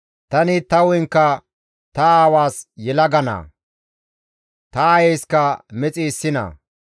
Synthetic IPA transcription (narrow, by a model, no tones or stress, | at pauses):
t̪ɐnɪt̪ɐwɔjŋkːɐ | t̪ɐaːwaːsjɛlɐɡɐnɐ̰ː | t̪ɐːjejskɐmɛt͡sʼiːsːɪnɐ̰